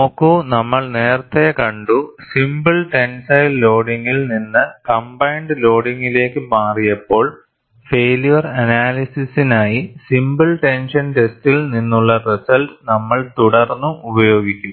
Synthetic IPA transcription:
oːkːonɐmːɐɭne̞ːrt̪ːekɐɳɖusimbɨlʈe̞nsɐjlːo̞ːɽiŋːilninːɨkɐmbɐjɳɖɨlo̞ːɽiŋːile̞ːkːɨmaːrijɐpːo̞ːɭ | feːlijɐrɐnaːlisisinaːjisimbɨlʈe̞nʂɐnʈe̞stilninːuɭːɐrisɐlʈnɐmːɐɭt̪uɽɐrnːuubɐjo̞ːɡikʲːum

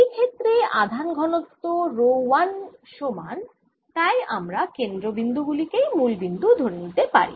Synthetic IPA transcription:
ejkʰet̪ːɾead̪ʱanɡʱɔnot̪ːoɾowanʃoman | t̪ajamɾakend̪ɾobind̪uɡulikejmulbind̪ud̪ʱoɾenit̪epa̰ɾḭ

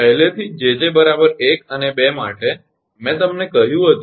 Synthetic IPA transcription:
pəɦlet̪ʰid͡ʒed͡ʒebəɾabəɾekənebema̰ʈe | mɛ̃t̪əmnekəɦjũɦət̪

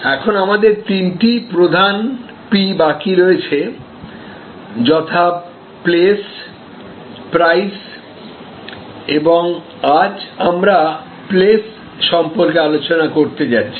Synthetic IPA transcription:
ɛkʰonamad̪eɾt̪inʈipɾod̪ʱan | pibakiɾoet͡ɕʰe | d͡ʑɔt̪ʰa | ples | pɾajs | eboŋ | ad͡ʑamɾa | ples | ʃɔmpoɾkealot͡ɕonakoɾt̪ed͡ʑatːɕʰi̥

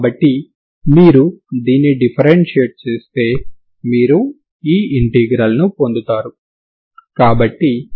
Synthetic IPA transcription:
bɐʈːi | miːɾud̪iːnːiɖipʰɐɾeɳʈʂieːʈ̚t͡ʃeːst̪e̞ː | miːɾu | iːiɳʈiɡɾɐlɐnupo̞nd̪ut̪aːɾu | kaːbɐʈːi

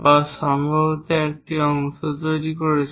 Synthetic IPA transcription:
baʃɔmbʱɔbot̪eɛk̚ʈiɔŋʃot̪ojɾikoɾet͡ɕʰ

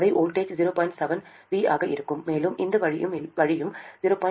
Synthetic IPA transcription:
ðɐɪʔoːlʈeːt͡ʃziːɾoːpaːɪnʈsɛʋɐn | ʋiːaːɣɐʔɪɾɯkːɯmːeːlɯmʔɪnd̪ɐʋɐɻɪɯmʋɐɻɪjɯmziːɾoːpaː

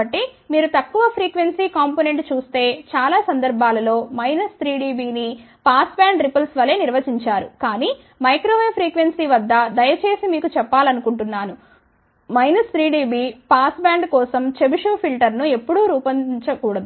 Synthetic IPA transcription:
ɐʈːimiːɾut̪ɐkːuʋɐpʰɾiːkʋe̞nsiːkaːmpone̞ɳʈt͡ʃuːst̪e̞ːt͡ʃaːlaːsɐnd̪ɐɾbʱaːlɐlo̞ːmɐjnɐst̪ɾiːɖiːbiːni | paːsbaːɳɖɾipɐlsʋɐleːniɾʋɐt͡ʃiɲt͡ʃaːɾṵkaːniː | mɐjkɾoːʋepʰɾiːkʋe̞nsiːʋɐd̪ːɐd̪ɐjɐt͡ʃe̞ːsimiːkut͡ʃɛpːaːlɐnukuɳʈunːaːnu | mɐjnɐst̪ɾiːɖiːbiːpaːsbaːɳɖkɔːsɐmt͡ʃebiʂuːpʰilʈɐɾnuepːuɽuɾuːpɐɲt͡ʃɐkuːɽɐd̪u

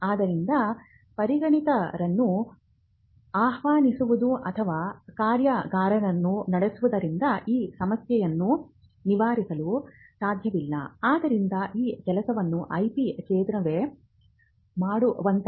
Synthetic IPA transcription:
aːd̪ɐɾind̪ɐ | pɐɾiɡɐɳit̪ɐɾɐnːu | aːɦʋaːnisuʋud̪uʔɐt̪ʰɐʋaːkaːɾjɐɡaːɾɐɾɐnːunɐɽesuʋud̪ɐɾind̪ɐʔiːsɐmɐsjɛjɐnːu | niʋaːɾisɐlu | saːd̪ʱjɐʋilːɐ̰aːd̪ɐɾind̪ɐʔiːkɛlɐsɐʋɐnːuʔɐjpit͡ʃɛːd̪ɾɐʋe | maːɽuʋɐnt̪

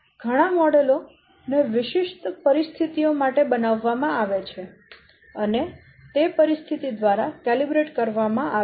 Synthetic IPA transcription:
ɡ̥ʱəɽ̃amɔɽelo | neʋɪʃiʃt̪pəɾist̪ʰit̪ijomaʈebənaʋːamãaʋet͡ʃʰe | əne | t̪epəɾist̪ʰit̪id̪ʋaɾakelibɾeʈkəɾʋamãʔa

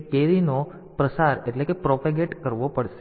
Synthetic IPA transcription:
keɾino | pɾəsaɾeʈlekepɾopaɡeʈkəɾʋopəɽʃe

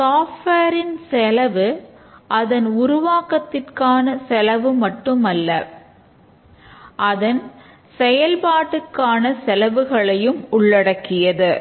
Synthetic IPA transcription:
saːfʈeːɾɪnsɛlɐʋɯʔɐðɐnʊɾʊʋaːkɐt̪ːɪrkaːnɐsɛlɐʋɯmɐʈːɯmɐlːɐ̰ | ʔɐðɐn | sɛjɐlpaːʈːɯkːaːnɐsɛlɐʋɯɣɐɭɐjɯmʊɭːɐɽɐkːɪjɐðɯ

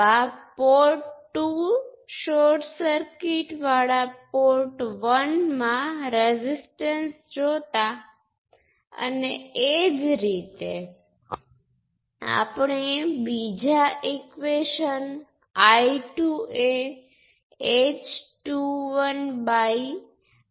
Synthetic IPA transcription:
apoɾʈːuʃoɾʈsəɾkiʈʋaɭapoɾʈʋənmãɾezisʈənsd͡ʒot̪a | ə̰need͡ʒɾit̪e | a̰pɳebid͡ʒaʔekʋeʃən | aiʈue | et͡ʃʈuʋənbai

